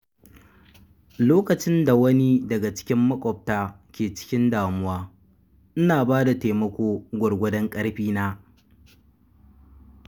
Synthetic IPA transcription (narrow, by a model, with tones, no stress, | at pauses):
loː˦kɐ˨t͡ʃɪ˦nda˨wɐ˦ni˦dɐ˨ɡa˨t͡ʃɪ̥˦kʲɪ˦mːɐ˦kʷʼɔ˨p̚taː˦ | kʲeː˨t͡ʃɪ̥˦kʲɪ˦ndaː˨mʊ˦waː˦ | ʔɪ˦naː˨baː˦da˨teː˨mɐ˦kʷoː˦ɡʷɔ˨ɽɡʷɐ˦dɐ˦ŋkʼɐ˦ɽɸiː˦naː˦